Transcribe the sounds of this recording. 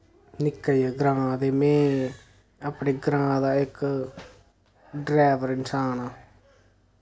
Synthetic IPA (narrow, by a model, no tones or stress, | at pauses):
nɪkːəjeːɡɾãːd̪eːmɛ̃ː | apɳeːɡɾãːd̪aːɪk | ɖɾɛːʋəɾɪnsaːnaː